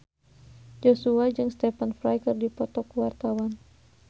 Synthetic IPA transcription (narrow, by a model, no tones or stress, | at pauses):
d͡ʒɔsuad͡ʒɨŋst̪ɛfanfɾajkɨrdipɔt̪ɔkuwart̪awan